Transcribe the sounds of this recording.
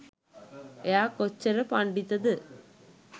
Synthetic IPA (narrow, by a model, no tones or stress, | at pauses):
jaːkot͡ɕːɐɾɐpɐɳɖit̪ːɐðɨ